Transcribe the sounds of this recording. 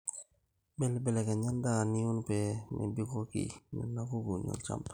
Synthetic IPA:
bɛ˨lbɛ˨lɛ˨ke˨ɲa˦nda˦ni˦ju˦npɛnɛ̰˨bi˦ko˦kḭnɛ̰˨na˦ku˦ɡu˨ɲo̰lt͡ʃa̰mp

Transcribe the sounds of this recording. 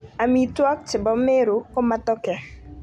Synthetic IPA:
a˨mi˨twɔ˦k̚t͡ʃɪ˨bɔ˨˦mɪ˦ɾo˨kɔ˦ma˦tɔ˦kɛ˨

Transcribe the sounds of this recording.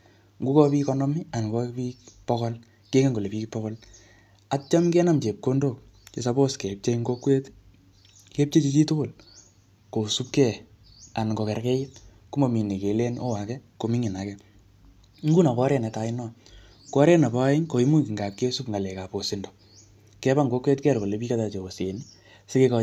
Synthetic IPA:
ŋɡu˦kɔ˦pi˦kɔ˦nɔ˦mi˦a˨n˨kɔ˦pi˦kpɔ˦kɔ˦l | ke˦ŋe˦ŋɡo˨le˨pi˦kpɔ˦kɔ˦l | a˨t͡ʃa˦mkɛ˦na˦˨mt͡ʃe˨p̚ko˦ndo˨k̚ | t͡ʃe˨sa˦bo˦ske˨p̚t͡ʃe˦ŋɡo˦kwe˦t | ke˦p̚t͡ʃe˦t͡ʃi˦t͡ʃi˦to˦kʊ˦˨l | ko˨su˦p̚kɛ˦ | a˨nŋɡɔ˨kɛ˨ɾkɛ˦jɪ˦t | ku˦mo˨mi˨ne˨ke˨le˦no̰˦wa˨kɛ˦ko˨mɪ˦ŋi˨na˨kɛ˦ | ŋ̩ɡu˦na˨kɔ˦ɾɛ˨nɛ˨ta˨inɔ˦ | kɔ˦ɾɛ˦na˨pa˦ɪ˦ɲko˨i˦mu˦ki˨ŋɡa˨k̚ke˦su˦pŋa˨lɛ˨ka˨po˨si˦ndo | kɛ˦ba˦ŋɡo˦kwe˦tkɛ˦rko˨le˨pi˦ka˦ta˨t͡ʃe˨o˨se˨ni | se˦ke˦kɔ

